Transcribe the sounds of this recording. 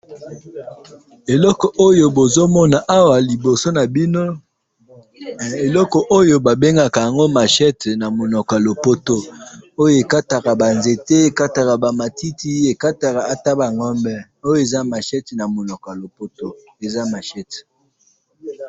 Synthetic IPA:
e˨lɔ˦kɔ˨ʔo˦jo˦bo˨zo˦mɔ˦na˨ʔa˦wa˨li˨bo˨so˦na˨bi˦no˦˨ | e˨lɔ˦kɔ˨ʔo˦jo˦ba˨be˦ŋɡa˨ka˨ja˨ŋɡo˦ma˨ʃɛ˦tna˨mo˨nɔ˨ka˨lo˨po˦to˦o˦jo˦˨e˨ka˦ta˨ka˨ba˨nze˨te˦e˨ka˦ta˨ka˨ba˨ma˨ti˦ti˦e˨ka˦ta˨ka˨a˨ta˦ba˨ŋɔ˦mbɛ˦ | o˦jo˦e˨za˦ma˨ʃɛ˦tna˨mo˨nɔ˨ka˨lo˨po˦to˨ | e˨za˦ma˨ʃɛ˦t

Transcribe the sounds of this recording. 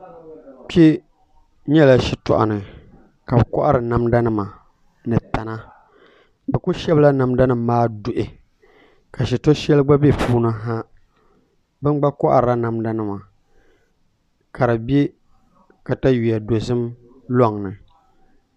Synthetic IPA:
k͡pi˦ | ɲɛ˦la˦ʃi˨tɔ̰˨ʔa̰˨nɨ˨ | ka˨bɨ˨kʊ˦ʔa˦ɾɨ˨na˨mda˦nɨ˦ma˨ | nɨ˨ta˨na˦ | bɨ˨kʊ˦ʃɛ˦bla˦na˨mda˦nɨ˨mːaː˦dʊ˨ʔɪ˨ | ka˨ʃi˨tɔ˦ʃɛ˦lɨ˦ɡ͡ba˦be˦puː˦nɨ˦ɦa˦ | bɨ˦nɡ͡ba˦kɔ˦ʔa̰˨ɾɨ˨ɾa˦na˨mda˦nɨ˦ma˨ | kʰa˨ɾa˨be˦ | ka˨ta˦ji˨a˨do˨zɨ˦m | lɔ˦˨ŋnɨ˨

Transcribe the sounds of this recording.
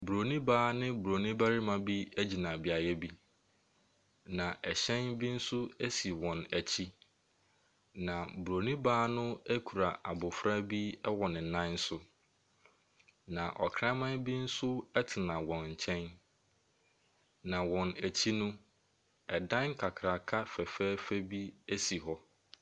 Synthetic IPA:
bu˨ɾo˨nĩ˦baː˦nɪ̃˦bu˨ɾo˨nĩ˦ba˦ɾi˦mã˨bi˦æ˦d͡ʑi˨nã˨bi˨a˨jɛ˦bi˦ | nã˨ʔɛ˨ɕɛ̃˦nbi˦n̩˦sʊ˦æ˦si˨wɔ̃˨næ˨t͡ɕʰi˦ | nã˨bu˨ɾo˨nĩ˦baː˦nʊ̃˦æ˦kʰu˨ɾa˨ʔa˨bʊ˨fɾa˦bi˦ɛ˦wɔ˨nɪ̃˨n̩˨nã˦n̩˦sʊ˦ | nã˨ʔɔ̰˨kʰɾã˦mã˦nbi˦n̩˦sʊ˦ɛ˦tʰɪ˨nã˨wɔ̃˨nɲ̩˨t͡ɕʰɛ̃˦n | nã˨wɔ̃˨næ˨t͡ɕʰi˦nʊ̃˦ | ɛ˨dã˦ŋŋ̩˦kʰa˨kʰɾa˨kʰa˦fɛ˨fɛː˦fæ˦bi˦æ˦si˨ɦɔ˦

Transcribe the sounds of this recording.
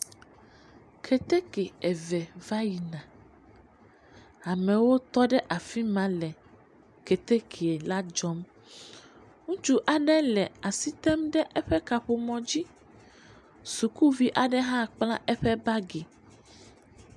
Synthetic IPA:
kʰɛ˨t̪e˦ke˨ɛ˨vɛ˨va˦ji˨nã˨ | a˨mɛ̃˨wo˦t̪ɔ˦ɖɛ˦ʔa˨fi˦mã˦lɛ˨ | ke˨t̪e˦kʰe˨ɛ˨la˦d͡ʒɔ˦m | ŋũ˦t͡ʃu˦ʔa˨ɖɛ˦lɛ˨a˨si˦t̪ɛ˦mɖɛ˦ʔɛ˦ɸɛ˦ka˨ɸo˨mɔ̃˨d͡ʑi˦ | su˨ku˦vi˦ʔa˨ɖɛ˦ɦã˦k͡plã˦ʔɛ˦ɸɛ˦ba˦ɡe˨

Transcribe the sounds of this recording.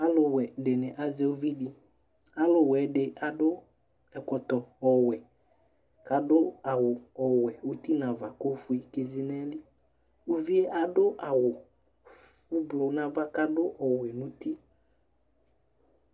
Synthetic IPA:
a˦lʊ˨wɛ˨dɪ˨nɪ˨ʔa˨ze˦ʊ˦vi˦di˨ | a˦lʊ˨wɛ˨˦dɪ˨a˨dʊ˦ | ɛ˨kɔ˨t̪ɔ˨ɔ˨wɛ˨ | ka˨dʊ˦a˨wʊ˨ɔ˨wɛ˨u˦t̪i˦nã˨va˨ko˦fʊ˨˦i˨ke˨zi˦nɛ˦lɪ˦ | u˦vi˦e˦ʔa˨dʊ˦ʔa˨wʊ˨ | u˦blʊ˨nã˨va˦ka˦dʊ˦ʔɔ˨wɛ˨nʊ̃˨ti˦

